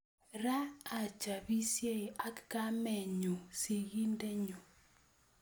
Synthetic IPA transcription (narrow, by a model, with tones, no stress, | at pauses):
ɾaː˦˨t͡ʃa˨βi˦sje˦˨a˦kka˦mɛ˨ɲo˨si˨ɣi˦ndɛ˦ɲo˨